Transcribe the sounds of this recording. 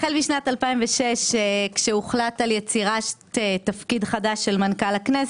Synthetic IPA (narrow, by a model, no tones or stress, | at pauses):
χelmiʃnatalpaimveʃeʃekʃeuχlataljet͡siʁaʃtetafkidχadaʃːelmankalaknes